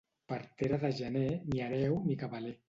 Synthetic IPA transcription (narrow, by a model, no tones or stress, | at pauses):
paɾt̪eɾaðaʒaneniaɾɛwmikaβale